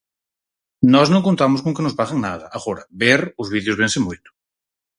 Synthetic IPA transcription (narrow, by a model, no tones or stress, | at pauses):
nɔznõŋkont̪amʊskõŋkenozβaɣaŋnað̞ɐaɣoɾaβeɾʊzβiðjozβ̞ensemujt̪ʊ̥